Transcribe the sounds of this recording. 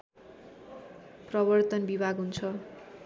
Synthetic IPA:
prʌbʌrt̪ʌnbibʱaɡɦunt͡sʰʌ

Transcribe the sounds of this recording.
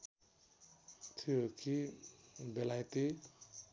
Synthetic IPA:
t̪ʰiokʰi | belajt̪i

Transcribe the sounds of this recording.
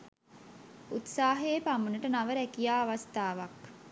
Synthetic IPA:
ut̪saːɦeːpamunəʈənaʋəɾækijaːʋast̪aːʋak

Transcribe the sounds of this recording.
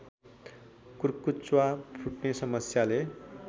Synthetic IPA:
kurkut͡swapʰuʈnesʌmʌsjale

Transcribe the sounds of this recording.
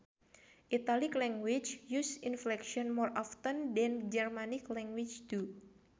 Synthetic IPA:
ʔit̪aliklɛŋɡwit͡ʃjusinflɛkʃiɔnmɔrʔaft̪əndɛnd͡ʒɛrmaniklɛŋɡwit͡ʃt̪u

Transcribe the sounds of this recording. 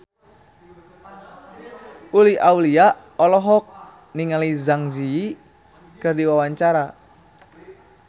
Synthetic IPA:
uliawlia | ɔlɔɦɔk̚ | niŋalizaŋzii | kɨrdiwawaɲt͡ʃaɾa

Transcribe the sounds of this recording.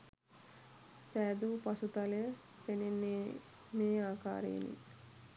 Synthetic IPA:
sæːd̪uːpasut̪alejə | penenːe | meːaːka̰ːɾḛːnḭ

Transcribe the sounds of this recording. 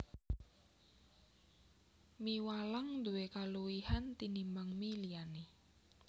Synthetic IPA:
miwalaŋd̪uwekaluwihant̪inimaŋmiliane

